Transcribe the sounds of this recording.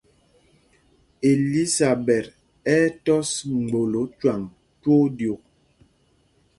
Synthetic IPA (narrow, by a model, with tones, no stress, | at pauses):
e˨li˦sa˨bɛ˨ɾ | ɛ˦tɔ˦sŋ͡m̩˨ɡ͡bo˨lo˨˦t͡ʃwa˨ŋ | two˦djo˨k̚